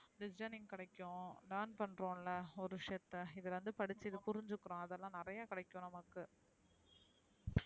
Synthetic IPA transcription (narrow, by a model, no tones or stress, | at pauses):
ɖɪd͡ʒɐnɪŋkɪɽɐɪkːʊ̃lɐːnpɐɳɾõːɪlːɐɔɾɯʋɪʂjɐt̪ːɐɪðɐlʋɐnd̪ɯpɐɽɪt͡ʃːɪðɯpʊɾɪɲd͡ʒɯkːɯɾõːɐðɛlːãːnɪɾɐjaːkɪɽɐɪkːõːnɐmɐkːɯ